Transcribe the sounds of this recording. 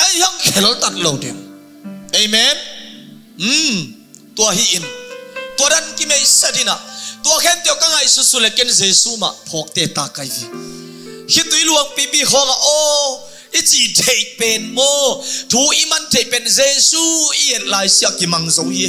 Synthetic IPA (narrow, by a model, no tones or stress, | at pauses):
ʔajhaŋkʰɛlɔlt̪at̪̚lowdɛ̰ŋ | ʔejmɛn | m̩ | t̪uɐhiʔint̪udankimejstinat̪uɐkʰɛnt̪iwkaŋajsusulɛkɛnzesuma̰ʔpʰɔk̚t̪ɛt̪akajhi | kʰit̪̚ːuiluəŋpipiɦɔŋaʔɔ | it͡sitʰejpɛnmɔt̪ʰuʔimantʰejpɛnzɛsuijɛt̪̚laːjsiakimaŋzowi